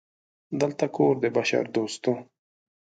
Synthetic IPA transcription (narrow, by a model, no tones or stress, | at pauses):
d̪əlt̪akoːɾd̪ebaʃa̰ɾd̪oːst̪o